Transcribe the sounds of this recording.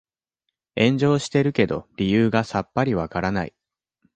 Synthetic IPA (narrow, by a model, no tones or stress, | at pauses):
ẽ̞ɲ̟d͡ʑo̞ːɕi̥t̪e̞ɾɯ̟ke̞d̪o̞̰ɾʲijɯːɡasapːaɾʲiβakaɾana̰ḭ